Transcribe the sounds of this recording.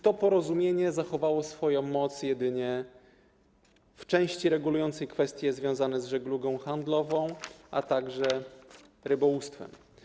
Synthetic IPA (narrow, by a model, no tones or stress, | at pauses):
t̪ɔpɔɾɔzumʲjeɲɛzaxɔvawɔsfɔjɔ̃w̃mɔt̪sjɛd̪ɘɲɛ | ft͡ʂɛ̃w̃ɕt͡ɕiɾɛɡulujɔnt̪sɛjkfɛst̪ʲjɛzvʲjɔ̃w̃zanɛzʐɛɡluɡɔ̃w̃xand̪lɔvɔ̃w̃ʔat̪aɡʐɛ | ɾɘbɔust̪fɛ̰m